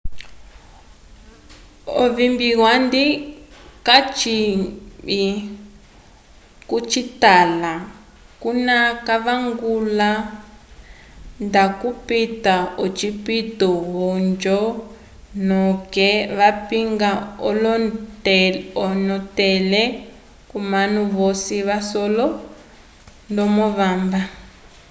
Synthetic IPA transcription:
ɔ̰vimbiɣwandikat͡ʃi | i | kut͡ʃitala | kunakaβaŋɡula | ndakupitaɔt͡ʃipitɔɦɔnd͡ʒɔ | nɔkɛβapiŋɡaɔl | ɔnɔtɛlɛ | kumanuβɔsiβasɔlɔ | ndɔmɔβaːmba

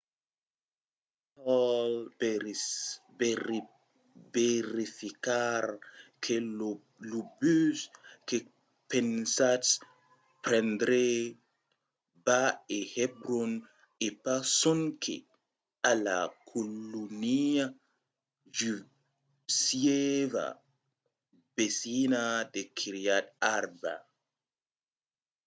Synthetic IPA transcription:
tɔl | veɾifikaɾkʰe | lubyske | pẽnsa | pɾɛ̃nd̪ɾe | baehebɾon | epasɔnkʰḛ | ala̰kʰolːunia | d͡ʒy | sieva̰ | besinad̪ekʰiɾiataɾba̰

